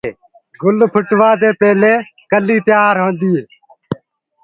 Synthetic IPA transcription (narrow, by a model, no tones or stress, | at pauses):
ɡʊlpʰʊʈʋaːd̪eːpeːleːkəlːiːt̪jaːɾɦõːnd̪iːeː